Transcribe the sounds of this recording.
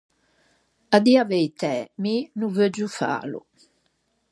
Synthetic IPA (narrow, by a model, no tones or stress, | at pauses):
ad̪iavɛjt̪ɛminuvød͡ʒufa̰ːlṵ